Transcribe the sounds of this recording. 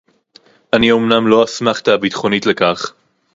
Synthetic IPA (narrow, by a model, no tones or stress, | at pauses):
ʔaniomnamlo̞asmaχt̪aabit̪χo̞nitlekaχ